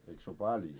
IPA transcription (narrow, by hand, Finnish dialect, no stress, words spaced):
eik sĕ o pɑljo